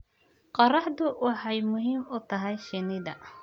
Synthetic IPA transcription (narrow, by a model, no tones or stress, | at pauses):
qɑrɑħd̪ʊwɑħɑjmʊɦiːmʊt̪ʰɐɦɛjʃɪnɪðɐ